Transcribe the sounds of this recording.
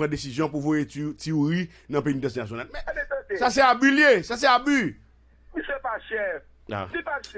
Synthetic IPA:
ɐ̃desizjɔ̃puvojetiuʁi | nɐ̃p̬einit̪ɐ̃s̬nas̬jonalmɛ̃ẽsas̬ɛabyljesas̬ɛaby | m̩sepaʃɛ | a̰sipaʃ

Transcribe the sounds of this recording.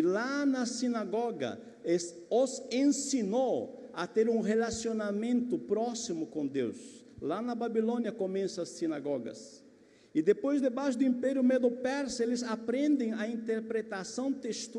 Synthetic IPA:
lanɐsinaɡɔɡɐ̰ | es | osẽnsinowat̪eɾũŋrelasjonamẽnt̪ʊpɾɔsimʊkõnd̪ḛws | lanɐbabilõnjɐkomẽsɐɐsːinaɡɔɡɐ̰s | id̪epojzd̪ebaʃʊd̪ʊĩmpɛɾjʊmed̪opɛɾselɪzapɾẽnd̪ẽŋ̃ɐĩnt̪eɾpɾet̪asɐ̃w̃t̪est̪u

